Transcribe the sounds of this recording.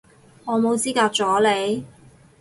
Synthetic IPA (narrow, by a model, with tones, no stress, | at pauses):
ŋɔː˨˧mo˨˧wt͡siː˥kaː˧k̚t͡ʃɔː˨˥le˨˧j